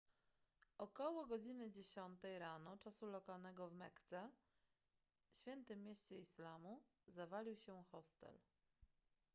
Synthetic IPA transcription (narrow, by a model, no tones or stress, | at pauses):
ʔɔkɔwɔɡɔd͡ʑinɘd͡ʑeɕɔnt̪ɛjɾanɔt͡ʂasulɔkalnɛɡɔvmɛkt̪sɛ | ɕfʲjɛnt̪ɘmʲjeɕt͡ɕɛislamu | zavalʲiwɕɛxɔst̪ɛ̰l